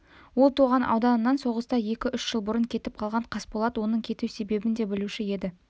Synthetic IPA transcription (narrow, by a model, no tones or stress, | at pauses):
wo̞lˠt̪ʰuʁɑnʔɑ̰wd̪ɑnənːɑnso̞ʁəst̪ɑje̞kʲɪʔʏʃʒəlˠbʊɾəŋkʲʰe̞t̪ɪp̚qʰɑlˠʁɑɴqʰɑspolˠɑd̪wo̞nəɴkʲʰe̞t̪uwse̞be̞bɪnd̪e̞bɪluʃɪje̞d̪ɪ